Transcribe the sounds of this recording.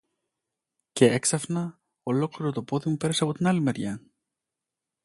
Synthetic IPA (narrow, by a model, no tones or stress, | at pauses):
ce̞eksɐfnɐ | o̞lo̞kliɾo̞t̪o̞po̞ðimupe̞ɾɐseɐpo̞t̪inɐlime̞ɾʝɐ